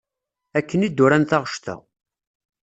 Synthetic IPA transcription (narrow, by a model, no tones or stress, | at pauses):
ækːənid̪ːʊɾænθɑʁəʃt̪æ̰